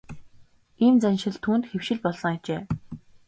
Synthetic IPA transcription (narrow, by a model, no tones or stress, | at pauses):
ent͡sanʲʃɪ̆ɮt̪ʰuːnt̪xewʃɪ̆ɮpɔɮsɞ̆ŋat͡ɕeː